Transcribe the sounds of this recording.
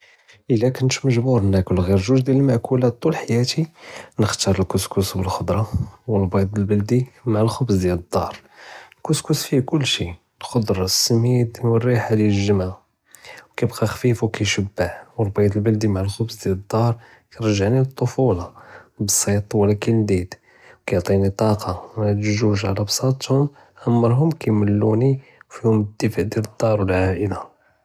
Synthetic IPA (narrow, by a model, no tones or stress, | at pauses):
ʔəlːækʊnt̪məʒbuɾˤnːækʊlɣiɾʒuʒd̪jæləlmaʕkulæt̪̚ːulħajæt̪inəxt̪ɑɾˤəlkʊskusbəlxod̪ɾˤɑwəlbɑd̪əlbəld̪imaʕəlxʊbsd̪jæləd̪ˤːɑɾˤ | lkʊskusfikʊlːʃi | lxod̪ɾˤɑsːəmid̪iwərːiħad̪jælʒəma | wkæbqɑxfifukæjʃəbːaħwəɾˤbijt̪əlbəld̪imaʕlxʊbsd̪jæləd̪ːɑɾˤ | kæɾəʒaʕniət̪ˤːofulɑbəsˤːit̪ˤwəlækild̪id̪ | wkæjʕt̪ˤinit̪ˤɑqʰɑmæt̪ʒuʒʕalæbsˤɑt̪hʊm | ʔæmːəɾˤɦʊmkæjməlːuniwfihʊməd̪ːəfəʕd̪jæləd̪ˤːɑɾˤwəlʕaʔəlæ